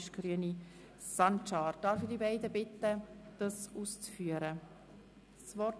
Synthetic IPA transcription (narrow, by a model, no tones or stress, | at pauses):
ʃɡ̥ɾyəni | sɑnʃɑːɾd̥ɑːɾfidibaɪdəbɪtːəd̥ɑsuːst͡sfyəɾə | svɔt